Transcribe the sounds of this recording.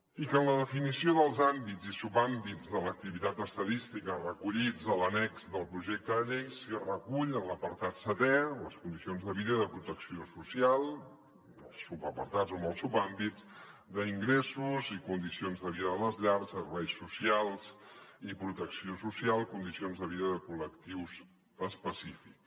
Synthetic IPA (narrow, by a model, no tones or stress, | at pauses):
ikənləðəfinisioðəlˠzambizisupambid͡zðələk̚t̪iβit̪at̪əst̪əðist̪ikərəkuʎid͡zələnɛkzðəlˠpɾuʒek̚t̪əənɛksirəkuʎələpəɾt̪at̪sət̪ɛləskund̪isionzðəβiðəiðəpɾut̪əksiosusialˠ | əlˠsupəpəɾt̪azoməlˠsupambizd̪əiŋɡɾɛsuzikund̪isionzðəβiðəələzʎaɾsəɾβɛjsːusialˠzipɾut̪əksiosusialˠkund̪isionzðəβiðəðəkuləkt̪iwz | əspəsifiks